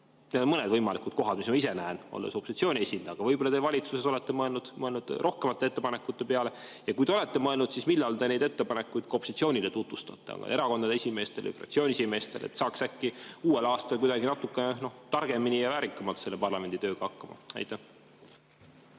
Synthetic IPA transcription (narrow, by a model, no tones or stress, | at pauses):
ned̪o̞nmɤne̞d̪vɤjmɑlikud̪̥̚ko̞ɦɑd̪̥mismɑise̞næeno̰lːeso̞pːˑosit̪sio̞ːnʲie̞sʲind̪ɑːɡ̥ɑvɤjbolːɑt̪e̞vɑlʲit̪suse̞so̞le̞t̪ːe̞mɤe̞lnud̪̥mɤe̞lnud̪̥ʔo̞hke̞mɑt̪ːˑeet̪ːe̞pɑnekːˑut̪ːepeɑle̞jɑkujd̪e̞o̞le̞t̪ːe̞mɤelnud̪̥sismilːɑlt̪e̞ne̞jd̪̥e̞t̪ːe̞pɑnekːˑujd̪̥ko̞pːosit̪sio̞ːnʲile̞t̪ut̪vust̪ɑt̪ːˑeɑ̰ɡɑ̰eɾɑko̞nd̪ɑd̪eesʲime̞ːst̪elḭjfrɑ̰kt̪sio̞ːnʲiesime̞ːst̪e̞lḛt̪ːsɑːksækːiuːe̞lɑːst̪ɑlkujd̪ɑɡinɑt̪ːukːˑeneno̞ht̪ɑrɡ̥e̞minijɑvæːɾikːˑɑmɑlt̪se̞lːe̞pɑrlɑme̞nd̪it̪ø̞ːɡ̥ɑhɑkːɑmɑ̰ɑ̰jt̪ːæh